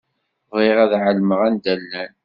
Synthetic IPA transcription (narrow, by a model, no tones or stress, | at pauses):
vɪʁæðʕəlməʁænd̪ælːæn